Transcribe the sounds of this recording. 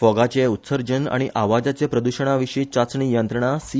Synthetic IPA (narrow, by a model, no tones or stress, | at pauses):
fɔɡat͡ɕeut̪səɾd͡ʑəna̰ɽ̃iʔaʋad͡zat͡ɕepɾəd̪uɕəɳ̃aʋiʂit͡ɕat͡sɳiːjənt̪ɾəɳ̃asi